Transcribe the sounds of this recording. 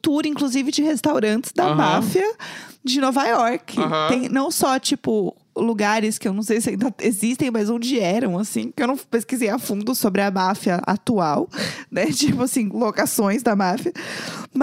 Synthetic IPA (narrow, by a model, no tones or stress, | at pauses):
t̪uɾĩŋkluzivɪd͡ʒɪhest̪awɾɐ̃nt͡ʃɪ̥zd̪ɐmafiɐd͡ʒɪnɔvajɔɾkʰɪt̪ẽj̃nɐ̃w̃sɔt͡ʃipʊ | luɡaɾɪskɪewnɐ̃w̃s̬ejsɪaĩd̪ɐezist̪ẽj̃mɐzõd͡ʒɪɛɾɐ̃w̃asĩkɪewnɐ̃w̃peskizejafũnd̪ʊsobɾɪɐmafjɐa̰t̪uawnɛt͡ʃipʊasĩlokasõj̃zd̪ɐmafiɐm